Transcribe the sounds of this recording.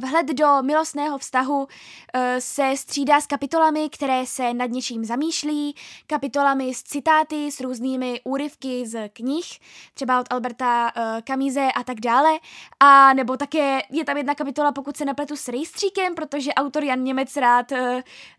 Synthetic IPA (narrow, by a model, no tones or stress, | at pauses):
vɦlɛd̪do̞mɪlo̞st̪nɛːɦo̞fst̪aɦu | sɛst̪r̝̥iːdaːskapɪt̪o̞lamɪkt̪ɛɾɛːsɛnad̪ɲɛt͡ʃiːmzamiːʃliːkapɪt̪o̞lamɪst͡sɪt̪aːt̪ɪsɾuːzniːmɪʔuːɾɪfkɪzkɲɪxt̪r̥ɛbaot̪ʔalbɛɾt̪akamiːzɛʔat̪aɡdaːlɛʔanɛbo̞t̪akɛːjɛt̪amjɛdnakapɪt̪o̞lapo̞kut̪sɛnaplɛt̪usɾɛjst̪r̝̥iːkɛmpɾot̪o̞ʒɛʔawt̪o̞ɾjanɲɛmɛt͡sɾaːt̪ː